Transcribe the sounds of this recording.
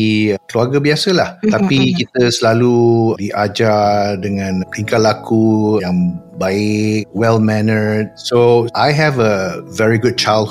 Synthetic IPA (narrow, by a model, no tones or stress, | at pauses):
ikəluaɡabiasəlaht̪apikit̪əsəlaludiʔad͡ʒadəŋãnliŋkalakujãŋbaɪk̚wɛlmɛnəd̚soʔajɦɛvəvɛɹiɡʊd̚t͡ʃajld̚